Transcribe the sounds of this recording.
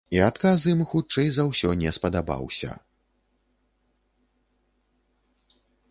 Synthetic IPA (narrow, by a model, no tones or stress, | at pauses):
iat̪kazimxut͡ʂɛjzɐwsʲɔnʲɛspɐd̪aba̰wsʲɐ̰